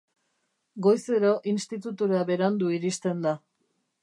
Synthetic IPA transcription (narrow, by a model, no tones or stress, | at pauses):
ɡo̞jse̞ɾo̞ʔinst̪it̪ut̪uɾaβe̞ɾand̪uiɾist̪e̞nd̪a